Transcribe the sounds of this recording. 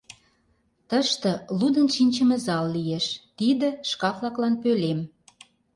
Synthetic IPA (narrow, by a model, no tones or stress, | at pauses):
t̪əʃt̪ə̆lud̪ənʃinʲt͡ɕə̆mĕzɑlːieʃt̪id̪ə̆ʃkɑflɑklɑnpølem